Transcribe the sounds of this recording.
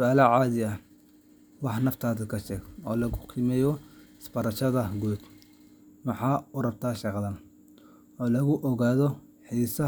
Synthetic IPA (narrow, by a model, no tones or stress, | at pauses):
sʊaːlɐʕɑːðɪɐ | wɑħnɐft̪ʰaːðɪkʰɐʃɛːɡɔːlɐɣʊqʰɪmɛːjɔɪsbɐɾɐʃɐðɐɡuːd̪ | mɑħɑːʊrɐbt̪ʰaːʃɑqðɐn | ɔːlɐɣʊʔɔɣaːðɔ | ħiːsɐ